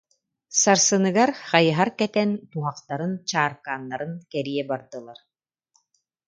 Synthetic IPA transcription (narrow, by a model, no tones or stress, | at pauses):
saɾsɯnɯɡaɾχɑjɯɦaɾkɛt̪ɛnt̪uɦaqt̪aɾɯnt͡ɕaːɾkaːnːaɾɯnkɛɾiɛbaɾd̪ɯlˠaɾ